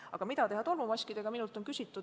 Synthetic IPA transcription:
ɑ̰ɡ̥ɑmid̪̥ɑt̪e̞ɦɑt̪o̞lmumɑsʲkid̪̥e̞ɡ̥ɑminult̪ˑo̞nkysʲit̪ːˑud̪

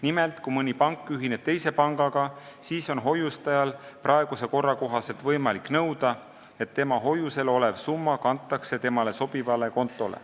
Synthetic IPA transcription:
nimelt̪kumɤnʲipɑŋkˑːyɦine̞b̥t̪e̞jse̞pɑŋɡ̥ɑɡ̥ɑsiːso̞nɦo̞just̪ɑjɑlprʔɑe̞ɡ̥use̞ko̞rːɑko̞ɦɑse̞lt̪vɤjmɑlikːˑnɤwd̪̥ɑ | e̞t̪ːe̞mɑɦo̞juse̞lo̞le̞vsumːɑkɑnt̪ˑːɑkse̞t̪e̞mɑle̞so̞b̥ivɑle̞ko̞nt̪ːˑo̞lḛ

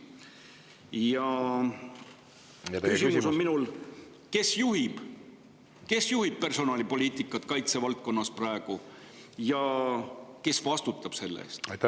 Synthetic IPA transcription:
jɑ | kysimuuso̞nminul | ke̞sjuɦib̥ | ke̞sjuhib̥̚pe̞rso̞nɑːlipo̞lʲiːt̪ˑikːˑɑt̪kɑjt̪se̞vɑlt̪̚ko̞nːɑsprɑeɡ̥u | jɑ | ke̞svɑst̪ut̪ːˑɑb̥se̞lːḛːst̪jt̪

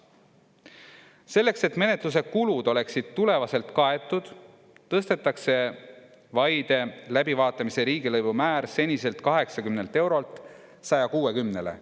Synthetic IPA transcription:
se̞lːe̞kse̞t̪ːˑme̞ne̞t̪lus̬e̞kulud̪̥o̞le̞ksid̪̥̚t̪ule̞vɑse̞lt̪kɑe̞t̪ːˑud̪̥ | t̪ːɤst̪e̞t̪ːˑɑkse̞ | vɑjd̪̥e̞læbivɑːt̪ːˑɑmise̞ɾiːɡ̥ilɤjvumæːɾse̞nʲise̞lt̪kɑɦe̞ksɑkymne̞lt̪ˑe̞wɾo̞lt̪ | sɑjɑkuːe̞kymne̞le̞̰

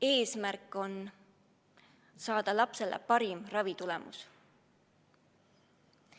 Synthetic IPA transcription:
e̞ːsmærkːˑo̞n | sɑːd̪̥ɑlɑpse̞lḛpɑɾimrɑvit̪ulemṵs

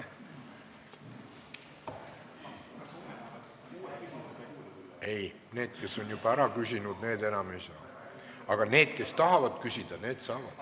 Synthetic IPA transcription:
e̞j | ne̞ːd̪̥ke̞sːo̞njub̥ɑæɾɑkysʲinud̪̚ne̞ːd̪̥e̞nɑmisɑ | ɑɡ̥ɑne̞ːd̪̥̚ke̞st̪ɑɦɑvɑd̪̥kysʲid̪̥ɑne̞ːd̪̥sɑːvɑd̪̥

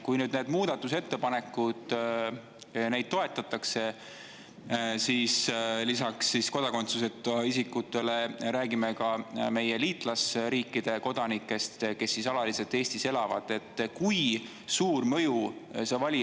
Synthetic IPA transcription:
kujnyːd̪ne̞ːd̪muːd̪̥ɑt̪ːˑuse̞t̪ːe̞pɑne̞kːˑud̪̥ | ne̞jd̪̥̚t̪o̞e̞t̪ːˑɑt̪ːˑɑkse̞ | sislisɑksːisko̞d̪̥ɑko̞nt̪suse̞t̪ːoɑisikːˑut̪ːˑe̞le̞ɾæːɡimekɑme̞je̞liːt̪ˑlɑsɾiːkːˑid̪̥e̞ko̞d̪̥ɑnikːˑe̞st̪ke̞sːisɑlɑliselt̪ːˑe̞ːsʲt̪ise̞lɑvɑ̰d̪̥e̞t̪ːˑkuj | suːrmɤ̞jusevɑlʲi

